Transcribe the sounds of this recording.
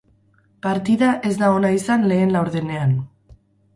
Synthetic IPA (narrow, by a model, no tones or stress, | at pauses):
paɾt̪iðaʔe̞zd̪aonaisanle̞ːnlawɾðene̞an